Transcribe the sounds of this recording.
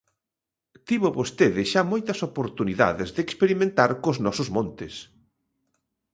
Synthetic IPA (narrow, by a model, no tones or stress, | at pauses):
t̪iβʊβost̪eðɪʃamojt̪ɐsopoɾt̪uniða̰ðɪzðekspeɾimẽnt̪aɾkʊznɔsʊzmõnt̪ɪs